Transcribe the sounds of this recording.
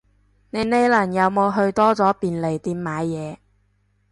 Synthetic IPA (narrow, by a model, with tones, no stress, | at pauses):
ne˨˧jne˨˧jlɐ˨˩njɐ˨˧wmo˨˧wɦɵ˧ɥt̪ɔː˥t͡sɔː˨˥piː˨nle˨˩jt̪iː˧mmːaː˨˧jːɛː˨˧